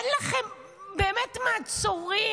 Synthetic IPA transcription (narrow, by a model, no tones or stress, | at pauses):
nlaχem | beːmetmaːt͡soʁi